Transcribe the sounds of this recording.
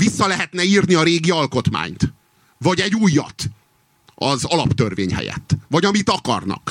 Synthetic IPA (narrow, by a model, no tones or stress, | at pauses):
visːɒlɛɦɛt̪nɛiːrniɒɾeːɡiɒlko̞t̪ma̰ːɲt̪ | vɒɟɛɟuːjːɒ̰t̪ | ɒzɒlɒpt̪ørveːɲɦɛ̰jɛ̰t̪ːvɒɟɒmit̪ɒkɒ̰rnɒ̰k